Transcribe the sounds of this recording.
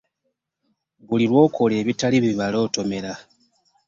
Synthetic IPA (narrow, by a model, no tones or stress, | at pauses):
βulilwo̞ːkʰo̞le̞ːβitaliβiβalo̞ːto̞me̞ɾa